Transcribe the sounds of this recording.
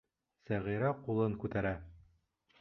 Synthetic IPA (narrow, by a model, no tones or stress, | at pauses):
sæʁiɾæqulˠɤŋkʉt̪æɾæ